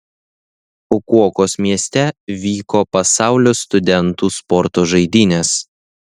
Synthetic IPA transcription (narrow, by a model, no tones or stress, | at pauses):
ʊkuɔkoːsmʲiɛsʲt̪ʲɛʋʲiːkoːpɐsɑˑʊlʲoːst̪ʊd̪ʲɛnt̪uːspɔɾt̪oːʒɐɪd̪ʲiːnʲes